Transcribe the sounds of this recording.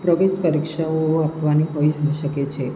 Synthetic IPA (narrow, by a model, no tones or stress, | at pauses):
pɾəʋeʃpəɾikʃaoapʋaniɦojɦəʃəket͡ʃʰe